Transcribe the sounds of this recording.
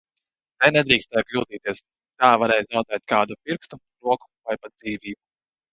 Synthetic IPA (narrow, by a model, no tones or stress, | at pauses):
t̪ɛnɛd̪ɾiːkst̪ɛːjklʲuːt̪iːt̪iɛs | k̪aːvaɾɛjzawd̪ɛːt̪kaːd̪upiɾkst̪u | ɾuɔku̥vajpat̪d̪̚z̥iːviːbu